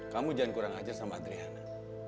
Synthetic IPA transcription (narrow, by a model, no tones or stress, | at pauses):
kamud͡ʒankuɾaŋad͡ʒarsamaːd̪ɾiɦana